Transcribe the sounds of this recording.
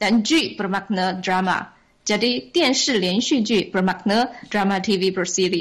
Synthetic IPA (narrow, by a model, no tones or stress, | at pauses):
t̪ant͡ɕypəmak̚nədɾama̰ | t͡ɕadit̪jɛnʂɻ̩ljɛnɕyt͡ɕypəmak̚nədɹamat̪ʰiʋipəsiɾi